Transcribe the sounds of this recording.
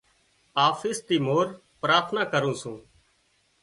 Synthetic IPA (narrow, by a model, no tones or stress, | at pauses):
aːfɪːst̪iːmoːɾ | pɾaːt̪ʰnaːkəɾũːsũː